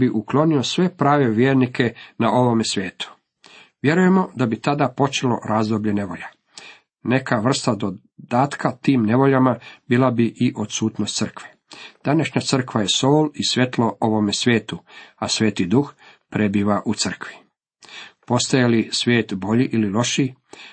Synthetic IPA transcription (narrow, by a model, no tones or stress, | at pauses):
biʔuklo̞niosʋe̞pɾaːʋe̞ʋjeːɾnikʰe̞naʔo̞ʋomesʋje̞ːt̪u̥ | ʋje̞ɾuje̞mo̞d̪abit̪ad̪apo̞t͡ʃe̞lo̞̰ɾaːzd̪obʎe̞ne̞ʋo̞ʎa | ne̞kaʋr̩st̪ad̪o | d̪aːt̪kʰat̪iːmne̞ʋo̞ʎamabiːlabiʔiʔo̞d̪suːt̪no̞st̪sərkʋe | d̪̥anaʃɲat̪sər̩kʋaje̞soːlisʋʲje̞t̪lo̞oʋo̞mesʋje̞ːt̪uasʋe̞ːt̪id̪uxpɾe̞biːʋaʔut̪sər̩kʋi̥ | po̞st̪ajalisʋʲjeːt̪bo̞ʎiʔililo̞ʃi